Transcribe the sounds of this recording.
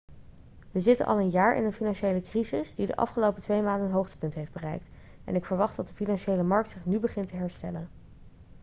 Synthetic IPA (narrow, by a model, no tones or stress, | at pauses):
ʋəzɪtə̰nʔɑ̰lˠənjaːɹʔɪ̰nənfinɑnʃejləkrizɪsdidə̰ʔɑ̰fχəlowpətʋejmaːndənɦowχtə̥pɵntɦeɪjfd̚bərɛ̰jk̚t | ɛ̰nɪkfəɹʋɑχtdɑt̚dəfinɑnʃejləmɑɹk̚tsɪχnybəχɪntəɦɛɹstɛlən